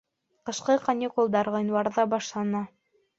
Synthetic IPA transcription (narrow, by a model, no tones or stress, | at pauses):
qɤ̆ʃqɤqɐnʲikulˠd̪ɑɾʁɤ̆jnwɑɾðɑbɑʃlˠɑnɑ